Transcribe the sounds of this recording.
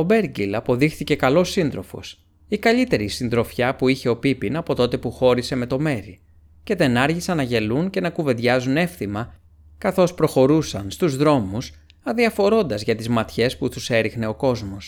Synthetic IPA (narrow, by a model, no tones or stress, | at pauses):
o̞be̞ɾɡilɐpo̞ðixθice̞kɐlo̞sːind̪ɾo̞fo̞̰s | ikɐʎit̪e̞ɾisind̪ɾo̞fçɐpuiçe̞o̞pipinɐpo̞t̪o̞t̪e̞puxo̞ɾise̞me̞t̪o̞me̞ɾi | ce̞t̪e̞nɐɾʝisɐnɐʝe̞lunce̞nɐkuveðʝɐzune̞fθimɐ | kɐθo̞spɾo̞xo̞ɾusɐnst̪uzðɾo̞mus | ɐðiɐfo̞ɾo̞nd̪ɐzʝɐt̪izmɐt̪çe̞spuθuse̞ɾixne̞o̞ko̞zmo̞s